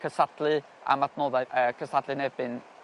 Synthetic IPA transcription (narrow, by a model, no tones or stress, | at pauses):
kʰəsadlˠɨ | a̰matʰnoːðaəkʰəsadlˠɨnɛbɨn